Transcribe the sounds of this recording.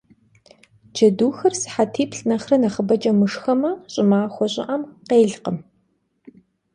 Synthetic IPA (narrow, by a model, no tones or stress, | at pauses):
d͡ʒɐduːxɐrsɨ̥ħatʰiːpɬnɐχrɐnɐχəbɐt͡ʃʼɐmɨʂxɐmɐɕʼɪmaːxʷɔɕʼɪ̰ʔɐmqeːɮqəm